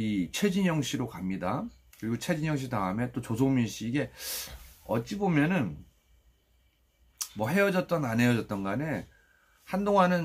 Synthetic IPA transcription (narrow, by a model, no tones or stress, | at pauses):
it͡ɕʰwe̞d͡ʑiɲjʌŋɕ͈ʰiɾokamɲida | kɯɾiɡot͡ɕʰe̞d͡ʑiɲjʌŋɕ̬ʰitaɯme̞t͈ot͡ɕosʰominɕ͈iːɡe̞ | ʌ̰t̚t͡ɕ͈ibomjʌnɯn | mʌɦe̞ʌd͡ʑʌt̚t͈ʌnane̞jʌd͡ʑʌt̚t͈ʌnɡane̞ | handoŋɦanɯn